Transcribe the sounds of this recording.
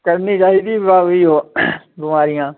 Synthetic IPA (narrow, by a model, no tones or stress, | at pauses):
kəɾniːt͡ʃaːɦiːd̪iːbʋaːʋiːɦoː | bɪmaːɾɪjãː